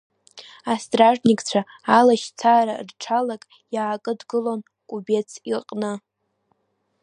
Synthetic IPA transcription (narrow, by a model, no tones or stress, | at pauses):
astʼraʐnikʼt͡ɕʷʰa | alaʃt͡sʰaːɾarʈ͡ʂʰalakʼ | jaːkʼɨdɡɨlon | kʷʼube̞t͡sʰiqʼnɨ